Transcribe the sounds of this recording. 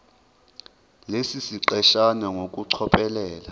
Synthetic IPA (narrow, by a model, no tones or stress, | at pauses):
lesisiǀɛʃanɔŋʱok̬ʼuǀʰɔpʼɛlɛːla